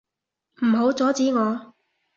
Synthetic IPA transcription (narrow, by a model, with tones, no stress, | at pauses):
m̩˨˩ɦo˨˥wt͡sɔː˨˥t͡siː˨˥ŋɔː˨˧